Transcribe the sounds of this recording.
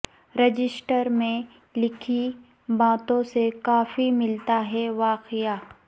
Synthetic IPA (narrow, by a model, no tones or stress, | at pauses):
ɾɐd͡ʒɪsʈəɾmẽ | lɪkʰi | baːt̪õsekaːfimɪlt̪aɦɛʋaːqɪjaː